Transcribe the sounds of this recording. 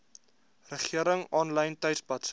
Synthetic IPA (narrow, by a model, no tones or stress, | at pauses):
rəχiəɾəŋɔnlɐjntœɥtsbɐts